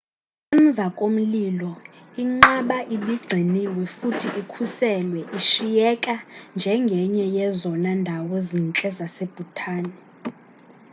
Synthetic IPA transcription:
ɛɱb̪vʱakʼom̩lilɔiŋ͡ǃaɓaʔiɓiɡ͡ǀʱiniwɛfutʰiʔikʰusɛlwɛʔiʃijɛkʼand͡ʒʱɛŋɡʱɛɲɛjɛzɔnandʱawɔzint͡ɬʼɛzaseb̥ʱutʰaːnɛ

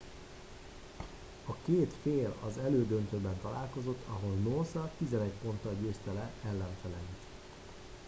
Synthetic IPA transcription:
ɒkeːt̪feːlɒ̰zɛløːd̪ønt̪øːbɛnt̪ɒla̰ːlko̞zo̞t̪ʰːɒɦo̞lnoːsɒt̪izɛnɛcpo̞nt̪ɒɟøːst̪ɛlɛɛlːɛɱfɛlɛlit̪

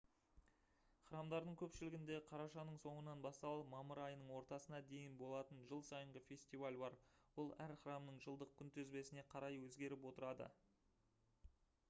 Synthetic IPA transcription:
χɾɑmd̪ɑɾd̪əɴkʲʰɵpʃɪlɪɡʲɪnd̪e̞qʰɑɾɑʃɑnəɴso̞ɴənɑnbɑst̪ɑlˠəmɑməɾɑjənəɴwo̞ɾt̪ɑsənɑd̪e̞jɪnbo̞lˠɑt̪ənʒəlˠsɑjəɴʁəfʲe̞sʲt̪ivalʲbɑɾwolˠæɾχrɑmnəɴʒəlˠd̪əq̚kʲʰʏnt̪ʰɵzbe̞sɪne̞qʰɑɾɑjwɵzɡʲe̞ɾɪpwo̞t̪əɾɑd̪ə̰

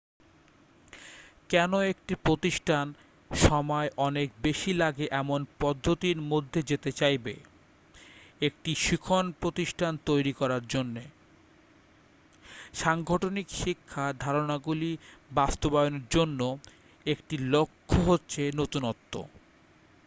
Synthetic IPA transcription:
kɛnoekʈipɾot̪iʃʈʰan | ʃɔmɔeʔɔnek̚beʃilaɡeʔɛmonpɔd̪ʱːot̪iɾmod̪ʱːed͡ʑet̪et͡ɕajbḛ | ek̚ʈiʃikʰonpɾot̪iʃʈʰant̪ojɾikɔɾaɾd͡ʑonːe | ʃaŋɡʱɔʈʰonikʃikʰːad̪ʱaɾonaɡulibast̪obajoneɾd͡ʑonːo | ekʈilokʰːoɦotːɕʰenot̪unɔt̪ːo̰

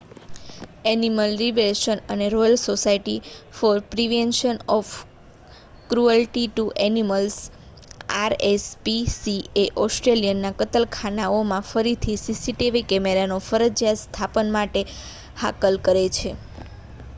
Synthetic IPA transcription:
ɛniməlɾiʋelʃənəneɾɔjəlsosaiʈifɔɾpɾiʋenʃənɔf | kɾuəlʈiʈuʔɛniməls | aɾespisieʔɔsʈɾelijənːakət̪əlkʰanaomãfəɾit̪ʰisisiʈeʋikɛmeɾanofəɾəd͡ʒjat̪st̪ʰapənmaʈe | hakəlkəɾet͡ʃʰe

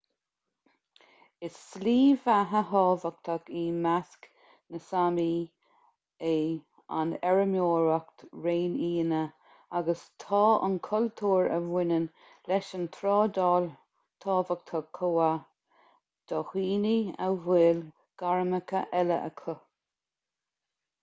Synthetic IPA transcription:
ɪsːliːvaɦəɦɔːvək̚t̪ʰəɡiːmask | nəsami | e | a̰nɛɹəmjoːɹəkt̪ɹeːniːnə | aɡəst̪ʰɑːʔə̰nkʰʊlt̪ʰuːɹə̰vwɪnən | lɛʃənt̪ʰɾɔːd̪ɔːl | t̪ʰɑːvək̚t̪ʰəɡ̚ʰoːa | d̪̥ɔhiːnia̰veːl | ɡ̥aɹməkʰəʔɛlə̰ʔə̰kʰʊ

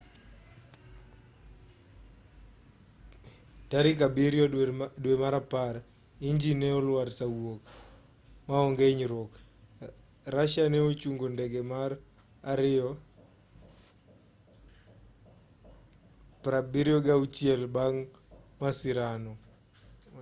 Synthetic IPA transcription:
taɾɪk̬abiɾjɔdwemaɾapaɾ | iɲd͡ʒineɔlwaɾsawok | maɔŋɡeɲɾok | raʃanɛot͡ʃuŋɡondɛɡɛmar | aɾɪɔ | pɾabiɾjɔɡaut͡ʃjɛlbaŋ | masɪɾanɔ

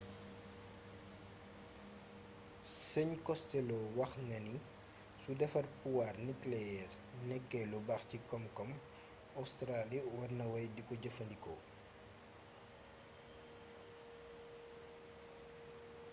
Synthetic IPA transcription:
səɲkɔstɛlɔwɐxnɐni | sudɛfɐrpuwaːrniklɛɛr | nɛkːɛlubɐxcikɔmkɔm | ɐwstɾaliwɐrnɐwɐjdikɔɟɐfɐndikɔ̰

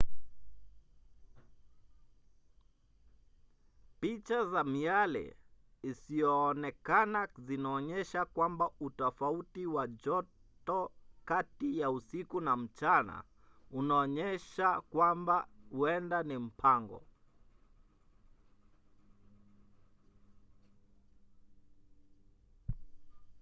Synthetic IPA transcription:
pit͡ʃazamialɛ̰isiɔːnɛkanazinaɔɲɛʃakwambautɔfautiwad͡ʒɔtɔkatijausikunam̩t͡ʃana̰ | unaɔɲɛʃakwambahuɛndanim̩pʰaŋɡɔ̰

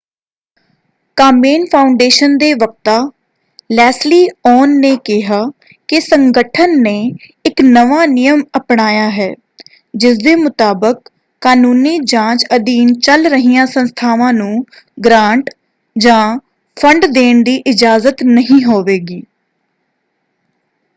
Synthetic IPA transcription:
kaːmeːnpʰaːʊɳɖeːʃənd̪eːʋək̚t̪aː | lɛːsliːɔːnːeːkɪɦaː | kɪsəŋɡəʈʰənːeːɪknəʋaːnɪjəməpɳaːjaːɦɛː | d͡ʒɪsd̪eːmʊt̪aːbəkː | aːnuːniːd͡ʒãːt͡ʃəd̪iːnt͡ʃəlɾəɦijãːsənst̪ʰaːʋãːnũː | ɡɾãːɳʈ | d͡ʒãː | pʰəɳɖd̪eːɳd̪iːʔɪd͡ʒaːzət̪nəɦĩːɦoːʋeːɡiː

